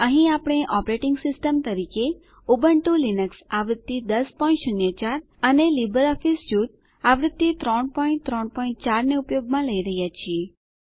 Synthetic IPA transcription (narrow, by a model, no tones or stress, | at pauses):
əɦĩapɽ̃eʔɔpɾeʈɪŋɡsɪsʈəmt̪əɾike | ubəɳʈũlinəksaʋɾɪd̪ːid̪əspɔĩnʈʃʊnjət͡ʃaɾ | ənelibəɾɔfisd͡ʒuʈ̪̚ | aʋɾɪd̪ːit̪ɾɔɳpɔĩɳʈ̚t̪ɾɔɳpɔĩɳʈ̚t͡ʃaɾneupjoɡmãləiɾəɦjat͡ʃʰie